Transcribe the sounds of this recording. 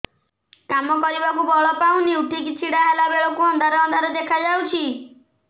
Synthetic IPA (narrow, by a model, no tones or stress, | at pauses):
kamɔkɔɾibakubɔɭɔpaũniuʈʰikit͡ʃʰiɽaɦelabeɭɔkuɔnd̪ʱaɾɔɔnd̪ʱaɾɔd̪ekʰad͡ʒawt͡ʃʰi